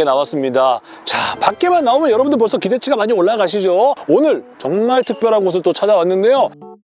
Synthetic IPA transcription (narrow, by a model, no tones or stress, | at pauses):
enawas͈ɯmɲida | t͡ɕapak̚k͈e̞manːaomjʌnjʌɾʌbundɯɭposʰʌkide̞t͡ɕʰiɡamaɲioɭːaɡaɕ̬ʰid͡ʑoonɯɭt͡ɕʌŋmaɭtʰɯk̚p͈jʌɾɦaɡoɡos̬ʰɯɭt͈ot͡ɕʰad͡ʑawanːɯnde̞jo